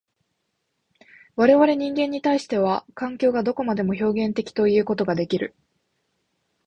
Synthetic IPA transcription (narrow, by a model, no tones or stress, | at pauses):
βaɾe̞βaɾe̞ɲ̟ĩŋɡẽ̞ɲ̟ːit̪aiɕi̥t̪e̞β̞akãŋkʲo̞ːɡad̪o̞ko̞mad̪e̞mo̞ço̞ːɡẽ̞nt̪e̞kʲi̥t̪o̞ijɯ̟ːko̞t̪o̞ɡad̪e̞kʲiɾɯ̟